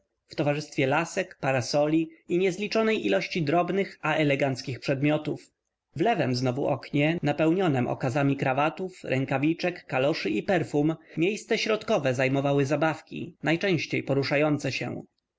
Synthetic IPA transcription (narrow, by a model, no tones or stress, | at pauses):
ft̪ɔvaʐɘst̪fʲjɛlasɛkpaɾasɔlʲiiɲɛzlʲit͡ʂɔnɛjʔilɔɕt͡ɕid̪ɾɔbnɘxaʔɛlɛɡant̪skʲixpʂɛd̪mʲjɔt̪uf | vlɛvɛmznɔvṵʔɔkɲɛnapɛwɲɔnɛmʔɔ̰kazamʲikɾavat̪ufɾʔɛŋkavʲit͡ʂɛkːalɔʂɘipɛɾfummʲjejst̪sɛɕɾɔt̪kɔvɛzajmɔvawɘzabafkʲḭnajt͡ʂɛ̃w̃ɕt͡ɕejpɔɾuʂajɔnt̪sɛɕɛ̰